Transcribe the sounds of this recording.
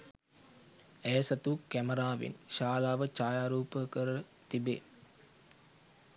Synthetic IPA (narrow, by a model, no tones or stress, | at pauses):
æjsɐt̪ukæməɾaːʋḭnʃaːlaːʋət͡ʃaːjaːɾuːpəkəɾə | t̪ibḛː